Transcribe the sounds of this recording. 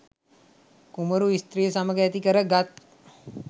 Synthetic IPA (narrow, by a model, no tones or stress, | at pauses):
kuməɾuist̪ɾijəsaməɡəæt̪ikəɾəɡat̪̚